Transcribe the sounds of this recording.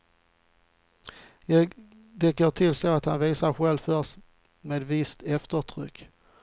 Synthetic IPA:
jɑ | d̪ɛɡoːʈʰɪlsoat̪ha̰nviːsaɾɧɛlvfœs | meːd̪vɪst̪ɛft̪əʈʰɾʏ̰kː

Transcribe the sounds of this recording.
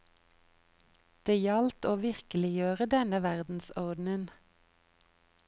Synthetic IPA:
d̪̥eːjɑlt̪oːʋɪʁkəlɪjøːʁəd̪ɛnəʋæʁd̪n̩sɔʁd̪n̩ən

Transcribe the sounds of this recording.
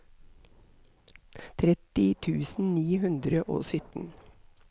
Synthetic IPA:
t̪ʰɾɛt̪ɪt̪ʰʉːsn̩niːhʉnd̪ɾəʔo̰ːsʏt̪n̩

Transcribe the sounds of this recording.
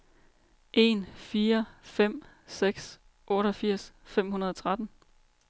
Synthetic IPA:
ʔe̝̰nfiːɐfem̰ | seɡ̥s | ʔɔ̽ːɾɒ̽fiɐ̰sfem̰hunɐð̞ˠɒ̽t͡sʰʁad̥n̩

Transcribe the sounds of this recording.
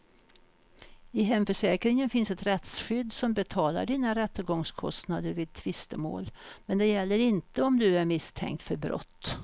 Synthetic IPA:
ɪɦɛmfœʂɛːkɾɪŋənfɪnsɛt̪ɾɛt̪sɧʏd̪ːsɔmbɛt̪ʰɑːla̰ɖiːnaɾɛt̪ːəɾɡɔŋskʰɔ̰st̪nad̪əɾvɪːd̪̚t̪ʰvɪst̪əmo̰ːlmɛnd̪ɛjɛlːəɾɪnt̪əɔmd̪ɵæɾmɪst̪ʰɛ̰ŋk̚t̪fœɾbɾɔ̰t̪ː

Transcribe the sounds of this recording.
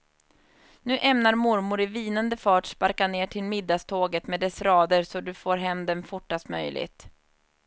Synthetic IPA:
nʉ̟ːʔɛmnaɾmʊɾmʊɾɪviːnənd̪əfɑːʈspaɾkaneːʈʰɪlmɪd̪ːast̪ʰoːɡət̪mɛːd̪ɛsɾɑːd̪əɾsɔd̪ɵfoːɾɦɛmd̪ɛnfʊʈːast̪mœ̰jlɪ̰ɡt̪

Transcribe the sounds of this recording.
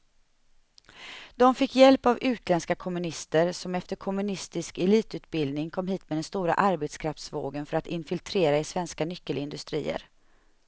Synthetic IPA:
d̪̥ɔmfɪkːjɛlpavʉ̟ːt̪ʰlɛnskakʰɔmːɵnɪst̪əɾsɔmɛft̪əɾkʰɔmːɵnɪst̪ɪskɛliːt̪ʉ̟ːt̪̚bɪld̪nɪŋkʰɔmːhiːt̪mɛd̪ɛnst̪uːɾa̰ʔaɾbet̪skʰɾaft̪svo̰ːɡənfœɾat̪ɪnfɪlt̪ʰɾeːɾaɪsvɛnskanʏkːəlɪnd̪ɵst̪ɾḭːə̰ɾ

